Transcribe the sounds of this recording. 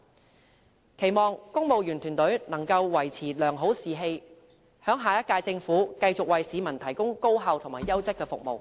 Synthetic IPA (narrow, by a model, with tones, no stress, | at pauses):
kʰe˨˩jmɔː˨ŋkʊ˥ŋmo˨wjyː˨˩nt̪ʰyː˨˩nt̪ɵ˨˥ɥnɐ˨˩ŋkɐ˧wwɐ˨˩jt͡sʰiː˨˩lœː˨˩ŋɦo˨˥wsiː˨ɦe˧j | hœː˨˥ŋɦaː˨˩jɐ˥t̚kːaː˧jt͡sɪ˧ŋfuː˨˥kɐ˧jt͡sʊ˨k̚wɐ˨jsiː˨˧mɐ˨˩nt̪ʰɐ˨˩jkʊ˥ŋko˥wɦɐ˨˧wt̪ʰʊ˨˩ŋmaː˨˩jɐ˥wt͡sɪ˥kːɛː˧fʊ̰˨k̚mo̰˨w